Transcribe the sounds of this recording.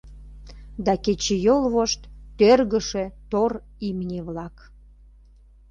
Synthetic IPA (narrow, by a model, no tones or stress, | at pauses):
d̪ɑket͡ɕejolβoʃt̪ːørɣəʃet̪or | imnʲeβlɑk